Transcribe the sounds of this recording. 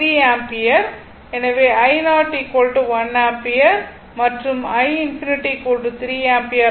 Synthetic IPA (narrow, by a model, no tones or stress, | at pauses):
ɾiːaːmpɪjɐɾ | ɛnɐʋeːɐɪnaːɾʈːikoːɭʈːɯʋɐnaːmpɪjɐɾ | mɐʈrɯmɐɪɪnfɪnɪʈːikoːɭʈɯt̪ɾiːaːmpɪjɐ